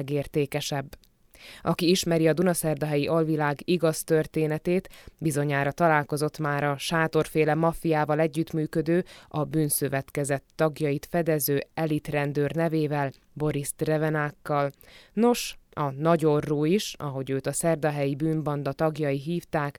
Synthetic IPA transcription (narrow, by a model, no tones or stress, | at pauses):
ɡeːrt̪eːkɛʃɛbː | ɒkiiʃmɛɾiɒd̪unɒsɛrd̪ɒɦɛjiʔɒlvilaːɡiɡɒst̪ørt̪eːnɛt̪eːt̪bizo̞ɲaːɾɒt̪ɒlaːlko̞zo̞t̪maːɾɒʃaːt̪o̞rfeːlɛmɒfijaːvɒlɛɟːyt̪myːkød̪øːɒbyːnsøvɛt̪kɛzɛt̪ːɒɡjɒjit̪fɛd̪ɛzøːɛlit̪rɛnd̪øːrnɛveːvɛl | bo̞ɾist̪rɛvɛnaːkːɒlno̞ʃɒnɒɟoroːiʃɒ̰ɦo̞ɟøːt̪ɒsɛrd̪ɒɦɛjibyːnbɒnd̪ɒt̪ɒɡjɒjiɦiːft̪aːk